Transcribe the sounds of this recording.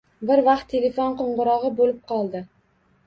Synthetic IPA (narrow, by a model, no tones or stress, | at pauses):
bɪɾvɑq̚t̪ʰːelefonqoɴʁʊɾɒʁɨbolɪp̚qʰɒlˠd̪ɪ